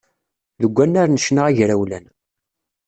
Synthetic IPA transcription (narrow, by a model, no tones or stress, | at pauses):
ðəɡʷːænːaɾnəʃnaʁaʝɾæwlæn